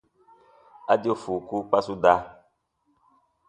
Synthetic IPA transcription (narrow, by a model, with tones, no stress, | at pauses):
a˦di˦o˦fu˨ku˦k͡pa˦su˦da˦